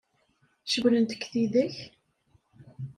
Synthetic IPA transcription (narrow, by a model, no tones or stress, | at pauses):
ʃəwlənt̪ə̥kːθiðæç